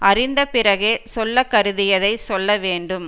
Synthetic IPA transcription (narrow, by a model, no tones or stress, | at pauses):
ʔɐrɪnd̪ɐpɪrɐɣesɔlːɐkːɐɾɯðɪjɐðɐɪsɔlːɐʋeːɳɖɯm